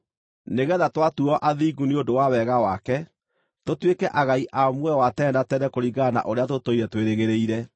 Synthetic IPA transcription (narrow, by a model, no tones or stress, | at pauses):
neɣɛðatwatuɔʔaðiɡuneodowawɛɣawakɛ | totwekɛʔaɣaiʔamwɛwatɛːndatɛɾɛkoɾiɡana̰ʔoɾeat̬otoiɾɛtweɾeɣeɾeiɾɛ